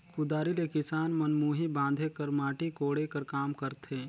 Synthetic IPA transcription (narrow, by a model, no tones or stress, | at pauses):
kʊd̪aːɾilekɪsaːnmɐnmuːɦibãːnd̪ʱekɐɾmaːʈikoːɽekɐɾkaːmkəɾt̪ʰeː